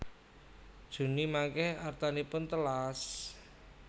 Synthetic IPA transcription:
d̥ʒ̥ṳnimaŋkɛhart̪anipʊnt̪əlas

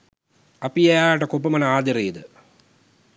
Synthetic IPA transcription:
ɐpiɐjaːɐʈɐkop̬ːɐmɐnɐaːd̪ɐɾiːd̪ɨ

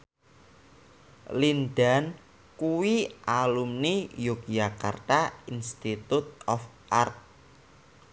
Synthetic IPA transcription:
lind̪a̤n | kuwiʔalumnijuk̚d͡ʒaka̰rt̪ainst̪it̪ut̪̚ɔf | ʔart̪̚

